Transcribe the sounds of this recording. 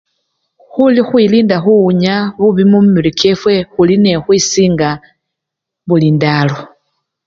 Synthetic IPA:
xulixwiliːndaxuuɲaβuβimummiɾikefwe̞xuline̞xwisiːŋɡa | βulindalo

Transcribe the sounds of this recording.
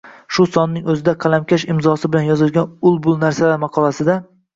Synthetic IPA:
ʃʊsɒnːɪŋɵzɪd̪aqʰɑlamkʲaʃɪmzɒsɪbɪlanjɒzɪlˠɡʲanʊlˠbʊlˠnaɾsalaɾmɑqʰɒlˠasɪd̪a

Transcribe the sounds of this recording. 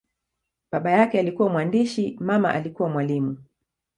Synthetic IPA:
ɓaɓajakɛalikuwamwandiʃimama̰ʔalikuwamwalimu

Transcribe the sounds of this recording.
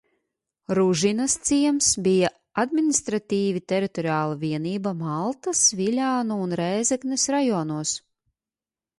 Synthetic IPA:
ɾuʒinast̪siɛmsbija | ad̪mʲinʲist̪ɾat̪iːvit̪ɛɾit̪ɔɾiaːlˠaviɛniːbamalˠt̪asvilʲaːnuːnɾɛːzɛknesɾajɔːnuɔs

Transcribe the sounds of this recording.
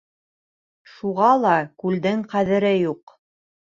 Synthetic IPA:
ʃuʁɑlˠɑkʉld̪ɘŋqæðɘ̆ɾɘjuq

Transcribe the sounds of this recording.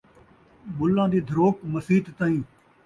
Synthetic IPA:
ɓʊlːãːd̪iːd̪ʱəɾoːkməsiːt̪t̪aːĩː

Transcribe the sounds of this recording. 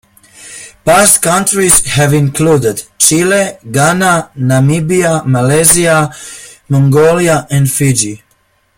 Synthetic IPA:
past̪kãntɹiz̥hɛvĩnkʰluːdɛdt͡ʃileɡananamibiamalezia | mɔ̃ŋɡoliaʔɛ̃ndfid͡ʒi

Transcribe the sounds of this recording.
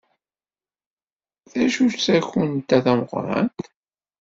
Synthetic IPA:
θæʃut͡sæçʊnt̪ːæðæməʁɾˤɑ̰nt̪

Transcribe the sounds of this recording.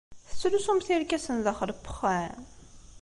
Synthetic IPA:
θə̥sːulusumθiɾkæsənðəχəɾpːə̥χæn

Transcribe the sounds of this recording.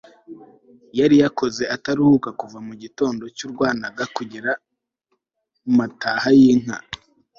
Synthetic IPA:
jaɾijako̞ze̞ataɾuhukakuvamuɟito̞ːndo̞cuːɾɡwaːnaɡakuɟiɾa | matahajiŋ̥a̰

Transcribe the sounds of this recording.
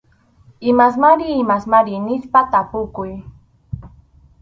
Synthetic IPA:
ɪmas̬maɾɪːmasmaɾɪnɪspat̪apʊkʊj

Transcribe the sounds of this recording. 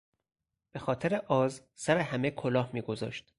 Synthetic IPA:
b̥e̞xɒːt̪ʰeɾeʔɒːz | sæɾehæmekʰolɒːhmiːɡo̞zɒ̰ːʃt̪

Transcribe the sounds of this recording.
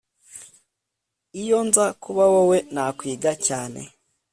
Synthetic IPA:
ijonzakuβawowe̞nakwiːɡacaːnḛ

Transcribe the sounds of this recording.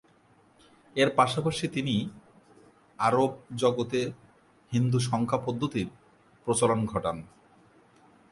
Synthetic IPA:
eɾpaʃapaʃit̪ini | aɾob̚d͡ʑɔɡot̪e | hind̪uʃɔŋkʰapod̪ʱːot̪iɾ | pɾot͡ɕalonɡʱɔʈan

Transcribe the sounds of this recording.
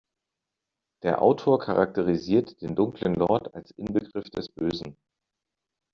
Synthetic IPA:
d̥eːɐʔa̰ʊtʰoːɐkʰaʁak̚təʁ̞iziːɐtd̥eːndʊŋklənlɔɐta̰lsʔɪnbəɡʁɪfd̥ɛsb̥øːzn̩

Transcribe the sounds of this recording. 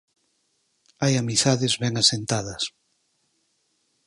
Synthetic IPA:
ajamiθaðezβɛŋasent̪aðɐs

